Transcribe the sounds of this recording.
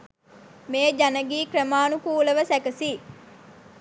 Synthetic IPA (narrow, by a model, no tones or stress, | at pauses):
meːd͡ʒɐnɐɡiːkɾəmaːnukuːləʋəsɛkɐsiː